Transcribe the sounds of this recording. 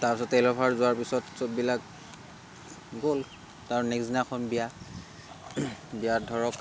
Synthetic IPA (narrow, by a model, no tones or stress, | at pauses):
taɹpisɔtelɔpʰaɹzʊaɹpisɔtsop̚bilak̚ | ɡol | taɹnɛksdinakʰɔnbija | bijadʱɔɹɔk